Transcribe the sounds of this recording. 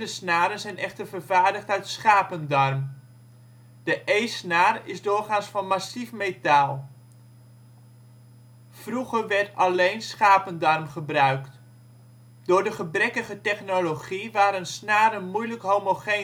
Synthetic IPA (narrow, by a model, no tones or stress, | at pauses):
dəsnaːɾənzɛjnʔɛχtərvərvaːɹdəχtœɥtsχaːpəndɑrm | d̥əʔejsnaːrɪzdʊːrχaːnstfɑnmasifmetaːlˠ | v̥ruχərʋɛɹtɑlejnsχaːpəndɑrmχəbrœɥkt | dʊːɹdəχəbrɛkəχətɛχnoloχiʋaːɾənsnaːɾənmujləkɦowmoχe